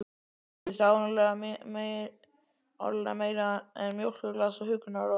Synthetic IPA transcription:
sawnalɛɣammej | ɔ̰ɾla̰meːjɾaɛnmjowl̥kʏlɛːasɔhʏknaɾɔ

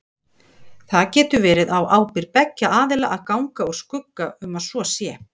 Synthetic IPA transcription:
θaðcɛːt̪ʏvɛːɾɪðawʔaːwpɪɾpɛcːaʔaːðɪlaʔaðkawŋkaɔɣskʏkːaʏmaðsvɔsjɛː

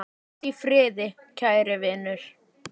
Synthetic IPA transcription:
a | t̪ifɾɪːðɪ | cʰaːjɾɪvɪnʏɾ̥

